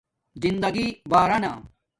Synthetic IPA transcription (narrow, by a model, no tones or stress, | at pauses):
zind̪ɐɡibaːɾɐnaː